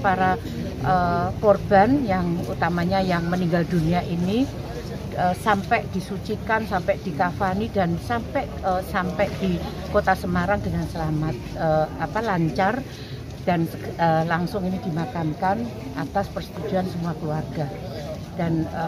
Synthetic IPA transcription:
paɾa | ʔəpɔrb̥anjaŋṵt̪amaɲajaŋməniŋɡalduniaʔini | əsampɛʔd̥isut͡ʃikansampɛʔd̥ikafanidansampɛʔəsampɛʔd̥i | kot̪asəmaɾaŋdəŋansəlamat̪̚əapalaɲt͡ʃar | d̥anəlaŋsʊŋinidimakankan | ʔat̪aspərsə̥t̪ud͡ʒuansəmuakəluarɡ̥a | d̥anə

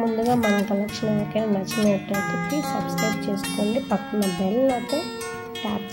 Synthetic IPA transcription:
mund̪uɡaːmɐnɐmkɐlɐkʂɐnɐɐnkɐnɐnɐt͡ʃɐleːʈːɐt̪ekiːsɐbskɾɐjʈ̚t͡ʃe̞ːsu̥koːɳɖipɐkːunːɐbɛlɐlɐjt̪eː | aːb̪

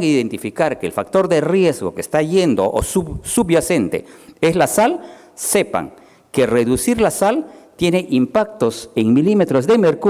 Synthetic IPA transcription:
ŋiðent̪ifikaɾke̞ːlfak̚t̪o̞ɾd̪e̞rje̞zɣo̞kest̪aʝe̞nd̪o̞̰ʔo̰susubjase̞nt̪e̞̰eslasal | se̞pa̰ŋ | ke̞re̞ðusiɾlasalt̪je̞ne̞ʔimpak̚t̪o̞se̞ŋmilime̞t̪ɾozðemeɾku

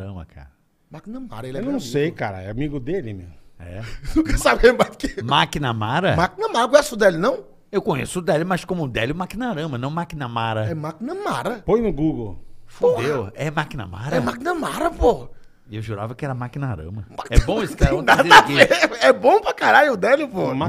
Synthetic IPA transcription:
ɾɐ̰̃mɐ̰kʰa̰ɾɐ | makinɐma̰ɾɐelewnɐ̃w̃sejkaɾɐ̰ɛamiɡʊd̪elɪmḛwɛ̰nũkɐsabẽmajd̪ʊkemakinɐmaɾɐmakinɐmaɾɐk̬õɲesʊd̪ɛlɪnɐ̃w̃ | ewkõɲḛsʊːd̪ɛlɪmɐskõmʊːd̪ɛlɪʊmakinɐɾɐ̃mɐnɐ̃w̃makinɐmaɾɐɛmakinɐmaɾɐpojnʊɡuɡowfuod̪ewɛmakinɐ̰ma̰ɾɐɛmakinɐmaɾɐpoɐ | ewʒuɾa̰vɐkɪɛɾɐmakinɐɾɐ̰̃mɐpaɛbõisɪ̥k̪naaieɛbõw̃pɾɐkaɾaʎjʊʊd̪ɛlʊpoma

